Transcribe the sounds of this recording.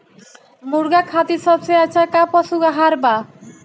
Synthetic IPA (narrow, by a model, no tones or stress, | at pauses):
muɾɡakʰat̪isɔpseat͡ɕʰakapɔsuɡaɦaɾba